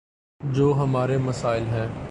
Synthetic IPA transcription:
d͡ʒoːɦɐmaːɾemɐsaːɪlɦɛ̃ː

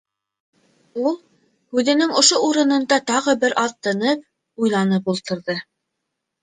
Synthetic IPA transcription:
ulˠ | hʉðɘ̆nɘŋŏʃouɾɤ̆nɤ̆nd̪ɑt̪ɑʁɤbɘɾʔɑðt̪ːɤ̆nɤp̚ | ujlˠɑnɤpulˠt̪ɤ̆ɾðɤ

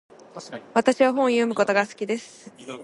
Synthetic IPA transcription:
βat̪aɕiβaɦõ̞ɰ̃jomɯ̟ko̞t̪o̞ɡasɨ̥kʲid̪e̞sɨ̥

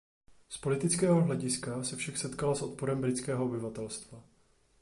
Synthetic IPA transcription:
spo̞lɪt̪ɪt͡skɛːɦoɦlɛɟɪskasɛfʃaksɛt̪kalasʔo̞t̪̚poɾɛmbɾɪt͡skɛːɦoobɪvat̪ɛlst̪va

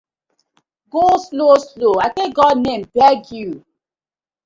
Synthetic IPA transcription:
ɡoslosloakeɡɔdnẽmbɛɡju

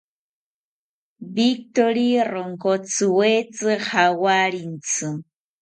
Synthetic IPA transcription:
bik̚t̪oɾiroŋkot͡sɨwet͡sɨhawaɾint͡sɨ

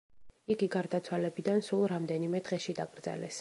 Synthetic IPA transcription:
iɡiɡaɾd̪at̪sʰwalɛbid̪ansulˠɾamd̪ɛnimɛd̪ʁɛʃid̪aɡɾd̪zɛ̰lɛ̰s

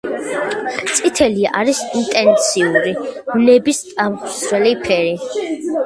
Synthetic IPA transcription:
t̪sʼit̪ʰɛliaʔaɾisint̪ʼɛnt̪sʰiuɾimnɛbist̪ʼamχsʰɾɛlipʰɛɾi

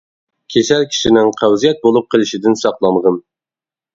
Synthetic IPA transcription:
kʲʰeʃælkʲʰi̥ʃinɪŋqʰæwzijɛt̪̚bolˠup̚qʰəlˠɪʃɪd̪ɪnsɑqlˠɑɴʁən

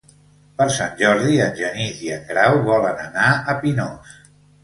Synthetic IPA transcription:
pəɾsanʲʒɔɾðiənʲʒəniziəŋɡɾawβɔlənənaəpinɔs

